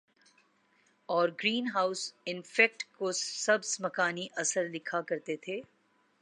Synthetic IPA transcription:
ɔːɾɡɾiːnɦaːʊsɪnfɛːk̚ʈkosɐbsmɐkaːniʔɐsəɾlɪkʰakɐɾt̪et̪ʰeː

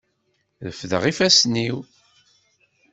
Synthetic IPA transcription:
ðəfðə̰ʁifæsniw

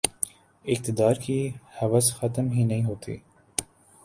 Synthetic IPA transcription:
ɪk̚t̪ɪd̪ɑːɾkiːhɐʋəsxɐt̪əmɦiːnɐĩːɦoːt̪ʰḭː

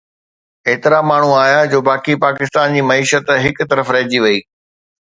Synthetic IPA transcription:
eːt̪ɪɾamaːɳ̤uaːjad͡ʑoːbaːkipaːkɪst̪aːnd͡ʑiːmɐiːʃət̪ɦɪkt̪ɐɾəfɾɐɦd͡ʑiʋɐiː

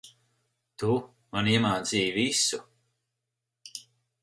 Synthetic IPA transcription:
t̪u | maniɛmaːd̪ziːjvisu

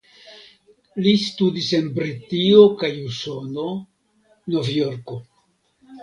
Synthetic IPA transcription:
listudise̞nbɾitio̞kajuso̞no̞ | no̞vjo̞ɾko̞

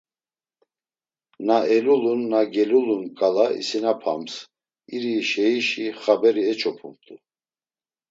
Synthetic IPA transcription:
naɛlulunːaɡɛlulunkʼalaḭsinapʰa̰ms | iɾiʃɛiʃiχabɛɾiɛt͡ʃʰɔpʰumt̪ʰʼu

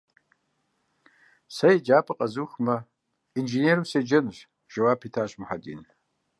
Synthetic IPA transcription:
sɐjid͡ʒaːpʰʼɐqʼɐzuxmɐ | inʒeneɾused͡ʒɐnʒ | ʒ̥ɐwaːpʰitʰaːɕmʊħadḭːn

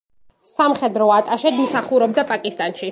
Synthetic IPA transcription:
samχɛd̪ɾɔat̪ʼaʃɛd̪musaχuɾɔbd̪apʼakʼist̪ʼanʃi

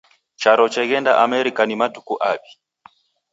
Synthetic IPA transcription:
t͡ʃaɾɔt͡ʃɛɣɛnda̰ʔamɛɾikanimatu̥kuʔaɓi̥

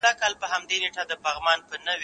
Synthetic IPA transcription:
akɑlpəhamd̪eneʈad̪əpɑɣmɑnpənəw

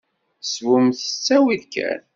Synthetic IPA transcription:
swumθə̥t͡sːæwiðkæ̰n

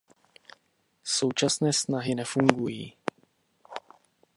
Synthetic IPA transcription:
so̞wt͡ʃasnɛːsnaɦɪnɛfuŋɡujḭː

